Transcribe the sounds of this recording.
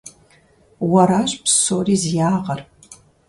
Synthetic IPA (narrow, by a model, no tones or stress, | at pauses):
wɐɾaːɕʼpsoːriːzjaːʁɐr